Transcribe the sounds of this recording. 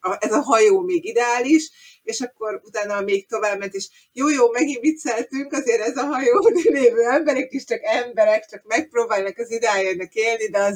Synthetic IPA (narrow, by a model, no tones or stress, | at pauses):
ɒʔɛzɒɦɒjoːmeːɡid̪ɛaːliʃ | eːʃɒkːo̞ɾut̪aːnɒmeːk̚t̪o̞vaːbmɛnt̪eːʃ | joːjoːmɛɡimbit̪sɛlt̪yŋkɒzeːɾɛzɒɦɒjoːleːvøːɛmbɛɾɛkiʃt͡ʃɒkɛmbɛɾɛkt͡ʃɒkmɛk̚proːbaːlnɒkɒzid̪ɛaːjɛnɒkeːlnid̪ɛɒz